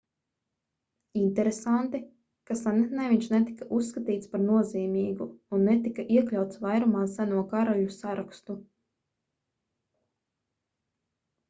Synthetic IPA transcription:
int̪ɛɾesant̪i | kasanɛt̪nɛjviɲʃnɛt̪i̥kaʔusːkat̪iːt̪spaɾnuɔziːmiːɡuunːɛt̪ikaʔiɛklʲawt̪svajɾumaːsænuɔkaɾɔjusaɾakst̪u

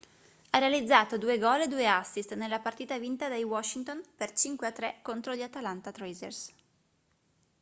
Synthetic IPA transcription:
arealid̪zːaːt̪od̪uːeɡɔːled̪uːeasːist̪nelːapart̪iːt̪avint̪ad̪ejwɔʃːint̪onpert͡ʃiŋkweat̪ːɾɛkːont̪ɾoʎiat̪alant̪at̪ɾɛzɛ̰rs

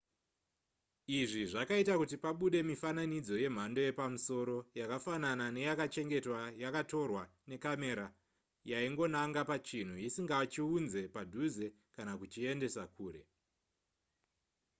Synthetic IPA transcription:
iʐiʐakaitakutipaɓuɗe̞mifananid͡zo̞je̞m̤ando̞je̞pamuso̞ɾo̞jakafananane̞jakat͡ʃe̞ŋɡe̞twajakato̞rwane̞kame̞ɾa | jaiŋɡo̞naŋɡapat͡ʃin̤ujisiŋɡat͡ʃiunze̞padʱuze̞ | kanakut͡ʃie̞nde̞sakuːre̞

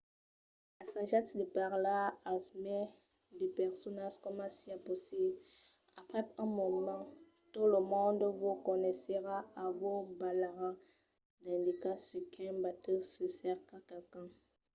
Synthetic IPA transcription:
lasãʒat̪d̪əpaʁlaasmɛ | d̪ipɛʁsɔnaʒkɔmãsiaposi | apχɛɛ̃mɔmɑ̃ | t̪uləmɔ̃nd̪vukɔnɛseʁaavobalaʁã | d̪ɛ̃nd̪ikasikʰɛ̃bat̪əsəfɛʁkakakã

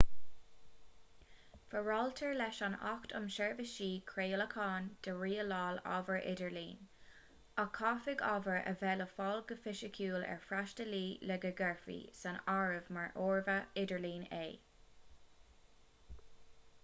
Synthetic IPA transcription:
fəɹɑlt̪ʰəɹlɛʃanɑ̰xtʰʊ̰mʃɛɹvəʃiːkʰɹeːləkʰɑːnd̪̥əɹiːəlɑːlɔ̰vəɹʔɪ̰dəɹlḭːn | akʰɑːfɪɡɑvəɹʔə̰vɛləfɔlɡəfɪʃəkʰuːlɛ̰ɹfɹaʃtəliːlɛɡəɡɛɹfḭːsanaɹəvmaɹʔoːɹvəɪdəɹliːneː

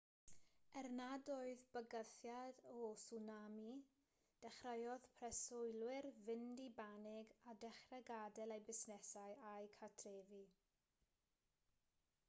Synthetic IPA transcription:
ɛrnadɔɨðbəɡəθjadɔsunami | d̥ɛχrəjɔðpʰrɛsʊjlˠwɪrvɪndibanɪɡadɛχrɛɡadɛlˠejbɪsnɛsajajkʰatʰreːvi

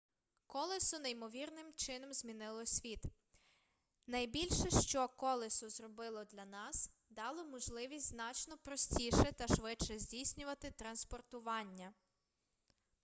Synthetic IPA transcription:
kɔlˠɪsʊnejmɔʋʲirnɪmt͡ʃɪnɔmzʲmʲinɪlˠɔsʲʋʲit̪ | nɐjbʲilʲʃɛʃt͡ʃɔkɔlˠɪsʊzɾɔbɪlˠɔd̪lʲɐnɑs | d̪ɑlˠɔmɔʒlˠɪʋʲisʲtʲznɑt͡ʃnɔpɾɔsʲtʲiʃɛt̪ɐʃʋɪt͡ʃɛzʲdʲijsʲnʲʊʋɐt̪ɪt̪ɾɐnspɔrt̪ʊʋɑnʲːɐ

